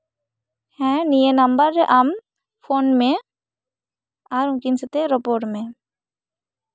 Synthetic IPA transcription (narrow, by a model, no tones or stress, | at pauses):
hɛ̃nijənɐmbəɾːɛʔam | pʰonmẽ | aɾũmkinsət̪eɾɔpoɾʈmẽ